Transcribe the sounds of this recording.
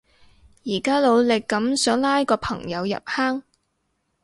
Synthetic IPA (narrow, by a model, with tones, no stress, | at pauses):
jiː˨˩kaː˥lo˨˧wlɪ˨kːɐ˨˥msœː˨˥ŋlaː˥jkɔː˧pʰɐ˨˩ŋjɐ˨˧wjɐ̰˨p̚haː˥ŋ